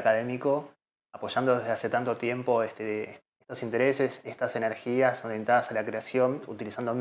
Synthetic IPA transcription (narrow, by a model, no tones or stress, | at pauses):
akaðe̞miko̞ | apo̞ʒand̪o̞ðeɦðease̞t̪ant̪o̞t̪je̞mpo̞est̪e | et̪o̞sint̪e̞ɾese̞sest̪ase̞neɾxiasoɾjent̪aðasalakɾeasjo̞nṵt̪ilisand̪om